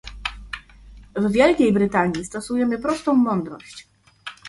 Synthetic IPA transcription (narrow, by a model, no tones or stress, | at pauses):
vvʲjɛlkʲejbɾɘt̪aɲist̪ɔsujɛmɘpɾɔst̪ɔ̃w̃mɔnd̪ɾɔɕt͡ɕ